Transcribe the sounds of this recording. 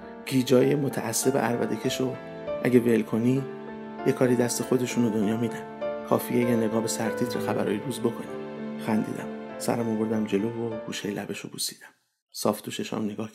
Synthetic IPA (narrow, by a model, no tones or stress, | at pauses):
ɡ̥iːd͡ʒɒːjemot̪ʰæʔæsːe̞bḛʔæɾvæ̰d̪ecʰe̞ʃo | ʔæɟevelkʰo̞ni | jekʰɒːɾiːd̪æst̪e̞xo̞d̪e̞ʃuːned̪o̞njɒːmiːd̪ænkʰɒ̰ːfijejene̞ɡɒːhbe̞sæɾt̪ʰiːt̪ʰɾḛxæbæ̰ɾɒ̰ːjed̪uːzbo̞kʰo̞næmxænd̪ḭːd̪æ̰msæ̰ɾæmobo̞ɾd̪æmd͡ʒe̞loːvoɡ̥uːʃejlʔæ̰be̞ʃo̰busiːd̪æm | sɒ̰ːft̪ʰuʃeʃæ̰mneɡɒːh